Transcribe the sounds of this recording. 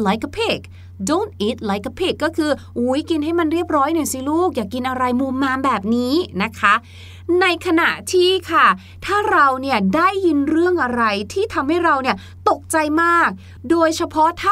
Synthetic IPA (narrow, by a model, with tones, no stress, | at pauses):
la˨˦jka˧pʰe˨˩k̚ | do˥˩nt̪̚ʔiː˦˥t̪̚la˨˦˥jka˧pʰeː˨˩kːɔː˥˩kʰɯː˧ | ʔuː˨˦˥jki˧nɦa˥˩jma˧nɾi˥˩əp̚ɾɔː˦˥jnɯ˨˩si˧˦˩luː˥˩k̚jaː˨˩kːi˧nʔa˧ɾa˧jmuː˧mːaː˧mbɛː˨˩p̚niː˦˥na˦˥kʰa˦˥ | na˧jkʰa˧na˨˩ʔt̪ʰiː˥˩kʰa˥˩ | t̪ʰaː˥˩ɾa˧wni˥˩ədaː˥˩jːi˧nɾɯ˥˩əŋʔa˧ɾa˧jt̪ʰiː˥˩t̪ʰa˧mha˥˩jɾa˧wni˥˩ə | t̪o˨˩k̚t͡ɕa˧jmaː˥˩k̚ | doː˧jt͡ɕʰa˧pʰɔ˦˥t̪ʰaː˥